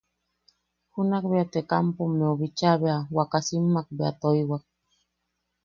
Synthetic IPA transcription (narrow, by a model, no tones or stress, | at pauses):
hunakbeat̪ekampomːeoβit͡ʃaβeawakasimːak̚bea̰t̪ojwak̚